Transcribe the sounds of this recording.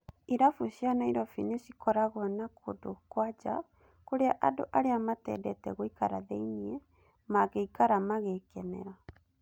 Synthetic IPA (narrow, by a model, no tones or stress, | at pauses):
iɾafuɕianaiɾɔfinesikɔɾaɣɔnakʰodokwad͡ʒa̰ | koɾeaʔado̰ʔaɾeamatɛ̰ːdɛtɛɣoikaɾaðɛiniɛ | maɣeikaɾamaɣekɛnɛ̰ɾa